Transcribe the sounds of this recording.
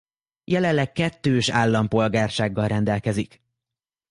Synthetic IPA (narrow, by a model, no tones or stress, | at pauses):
jɛlɛlːɛkkːɛt̪ːøːʃaːlːɒmpo̞lɡaːrʃaːɡːɒlrɛnd̪ɛlkɛzik